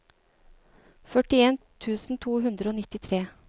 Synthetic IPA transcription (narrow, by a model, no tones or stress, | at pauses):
fœʈɪeːnt̪ʰʉːsn̩t̪ʰuːɦʉnd̪ɾəoːnɪt̪ɪt̪ʰɾeː